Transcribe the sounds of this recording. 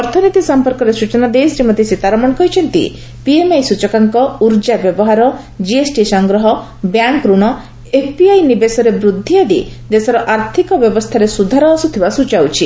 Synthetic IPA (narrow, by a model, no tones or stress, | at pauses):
ɔɾt̪ʰɔnit̪isɔmpɔɾkɔɾesut͡ʃɔnad̪esɾimɔd̪ʱjesit̪aɾɔmɔɽ̃kɔɦit͡ʃʰɔnt̪ḭ | piemajsut͡ʃɔkaŋkɔuɾd͡ʒabjɔbɔɦaɾɔ | d͡ʒiesʈisɔŋɡɾɔɦɔ | bjaŋkɾuɽ̃ɔ | epʰpiajnibesɔɾebɾud̪ʱːiad̪ḭd̪esɔɾɔʔaɾt̪ʰikɔbjɔbɔst̪ʰaɾesud̪ʱaɾɔːsut̪ʰibasut͡ʃawt͡ʃʰi